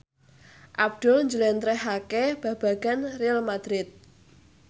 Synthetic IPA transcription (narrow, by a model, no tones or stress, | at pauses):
ʔab̚d̪̥ʊ̤lɲd͡ʒulɛnt̪ɾɛɦakɛb̥a̤b̥a̤ɡ̥anrialmad̪̥ɾɪt̪̚